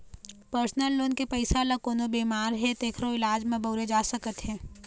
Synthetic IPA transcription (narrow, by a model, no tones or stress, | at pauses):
pəɾsnəlːoːnkepɐɪsalakoːnobiːmaːɾɦɛt̪eːkʰɾoɪlaːd͡ʒmẽbʱoːɾed͡ʒaːsɐkət̪ɦɛ̃ː